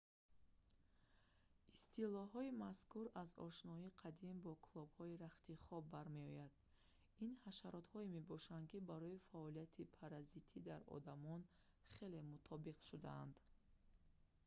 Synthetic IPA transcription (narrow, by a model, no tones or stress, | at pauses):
ist̪ʰilɔɦɔimaskuɾazɔ̰ʃnɔiqʰad̪imbɔkʰulˠɔbhɔiɾaχt̪iχɔbːaɾme̞ɔjad̪̥ | inhaʃaɾɔt̪hɔime̞bɔʃand̪kibaɾɔifaɔlijat̪ʰipʰaɾazit̪ʰid̪aɾɔ̰d̪amɔn | χe̞le̞mut̪ʰɔbiqʃud̪a̰and̪